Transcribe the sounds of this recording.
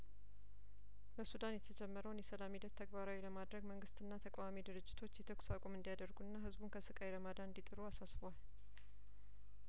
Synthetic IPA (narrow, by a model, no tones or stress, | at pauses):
bəsud̪anjɛt̪ʰəd͡ʒɛmːəɾəwnjɛsəlamid̪ət̪ʰːəɡbaɾawiləmad̪ɾəɡməŋɡɨst̪ɨnːat̪ʰəkʼawamid̪ɨɾɨd͡ʒːɪt̪ʰo̞t͡ʃːjɛt̪ʰəksakʷʼomɨnd̪ijad̪əɾɡuɨnːaɦɨzbunkʰəsɨkʼajɾəmad̪aɨnd̪it̪ʼɨɾuasasbowal